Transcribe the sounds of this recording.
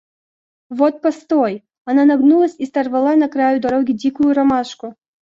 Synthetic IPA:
vɔt̪̚past̪ɔj | ananɐɡnulˠɐsʲist̪ɐrvalˠanɐkɾajud̪ɐɾɔɡʲid͡zʲikujuɾamaʂkʊ

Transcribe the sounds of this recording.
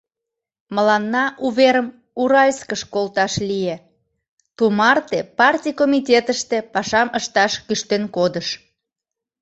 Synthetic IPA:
məlɑnːɑʔuβeɾəm | uɾɑlʲskəʃkolt̪ɑʃlije | t̪umɑrt̪epɑrtʲijkomitʲet̪əʃt̪e̽pɑʃɑməʃt̪ɑʃkyʃt̪enkod̪əʃ

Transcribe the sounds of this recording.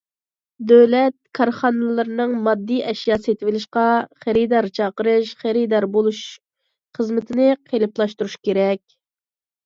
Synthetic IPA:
d̪øwlɛt̪̚kʰɑɾχɑnɨlˠɨɾɨnɨŋmɑd̪ːijʔɛʃjɑːset̪ʰɪvɪlɪʃqɑχæɾid̪ɑɾt͡ʃʰɑqəɾɨʃχæɾid̪ɑɾbolˠuʃ | χəzmɪt̪ʰɪnɪqʰelɪplˠɑʃt̪uɾuʃkʲeɾɛkʲ

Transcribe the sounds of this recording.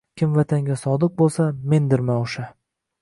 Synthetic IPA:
kʲʰɪmvat̪ʰaŋɡʲasɒd̪ɪq̚bolˠsame̞nd̪ɪɾmaoʃa

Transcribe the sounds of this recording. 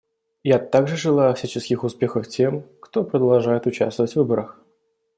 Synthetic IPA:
jat̪aɡʐɨʐɨlˠajʊɐfsʲæt͡ɕɪskʲɪxʊspʲe̞xəftʲemkt̪o̞pɾəd̪ɐlˠʐajɪt̪ʊt͡ɕa̰st̪vəvətʲvɨbəɾəx

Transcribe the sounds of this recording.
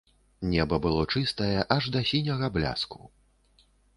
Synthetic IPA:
nʲɛbɐbɨlˠɔt͡ʂɨst̪ɐjɛʔɐʐd̪ɐsʲinʲɐɣɐblʲa̰sku̥

